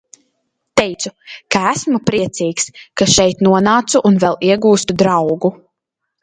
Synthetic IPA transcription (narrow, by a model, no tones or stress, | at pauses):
t̪ɛjt̪sukaæsmupɾiɛt̪siːkskaʃɛjt̪nuɔnaːt̪suʔːnvɛlˠiɛɡuːst̪ud̪ɾawɡu